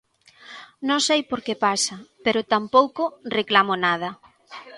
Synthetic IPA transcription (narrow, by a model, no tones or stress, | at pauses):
nõŋsejpoɾkepasɐpeɾʊt̪ampowkʊreklamonað̞ɐ